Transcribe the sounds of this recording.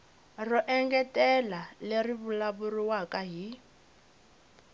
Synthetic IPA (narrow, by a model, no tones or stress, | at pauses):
rɔʔɛŋɡɛtʼɛlaleriβulaβuriwakʼaɦi